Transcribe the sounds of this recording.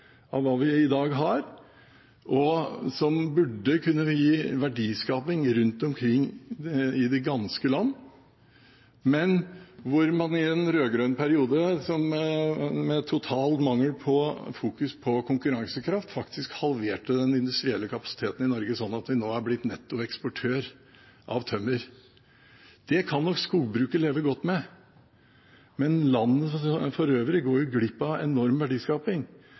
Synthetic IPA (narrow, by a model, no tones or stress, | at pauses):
ɑʋʋɑːʋɪɪd̪ɑːɡɦɑɾ | ʔɔsɔmbʉɖːəkʰʉnːəʋɪjiːʋæɖiːskɑːpɪŋɾʉnt̪ɔmkʰɾɪŋː | ɪd̪ɛɡɑnskəlɑnː | mɛnʋʊɾmɑnɪɛnɾøːɡɾœnpʰæɾɪuːd̪əsɔm | mɛt̪ʰːʊt̪ʰɑːlt̪mɑŋːəlpʰɔfuːkʉspʰɔkʰʊŋkʉɾɑŋsəkʰɾɑft̪fɑkt̪ʰɪskhɑlʋeːʈəd̪ɛnɪnd̪ʉst̪ɾɪɛlːəkʰɑpɑ̥sɪ̥t̪ʰeːt̪n̩ɪnɔɾɡəsɔnːɑt̪ʋɪnoːæɾblɪt̪nɛt̪ːʊɛkspɔʈʰøːɾ | ʔɑʋt̪ʰœmːəɾ | d̪̥ɛkʰɑnːɔkskuːɡbɾʉːkəɭeːʋəɡɔt̪ːmɛ | mɛnlɑnːəfɔɾøːʋɾɪɡoːɾjʊɡlɪpːɑɛ̰nɔɾmʋæɖiːskɑːpɪŋ